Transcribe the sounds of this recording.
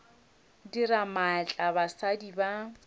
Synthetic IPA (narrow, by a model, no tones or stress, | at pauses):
diɾamaɛt͡ɬʼabasadiba